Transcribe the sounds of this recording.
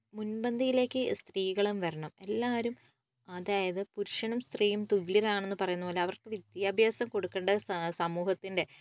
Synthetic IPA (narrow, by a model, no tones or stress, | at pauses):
munbɐnd̪ʱijile̞ːkːɨst̪riːɣɐɭumʋɐɾɐɳɐme̞lːaːɾum | ɐðaːjɐðɨpuɾuʂɐɳɐmst̪riːjumt̪uliɾaːɳenːɨpɐrɐjunːɐboːleɐʋɐrkɨʋid̪jaːbʱjaːsɐmko̞ɽukːeːɳɖɐsɐmuːhɐt̪ːinde̞